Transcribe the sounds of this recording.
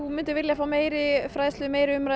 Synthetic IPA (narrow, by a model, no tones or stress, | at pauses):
umɪnt̪ɪɾvɪljafaːwmeːjɾɪfɾajslʏmeːjɾɪʏmɾa